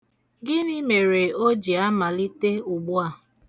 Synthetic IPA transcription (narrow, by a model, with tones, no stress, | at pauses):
ɡɪ˦ni˦me˨ɾe˨o˦d͡ʒi˨a˦ma˨li˦te˦ʊ˨ɡ͡bʊ˦a˦˨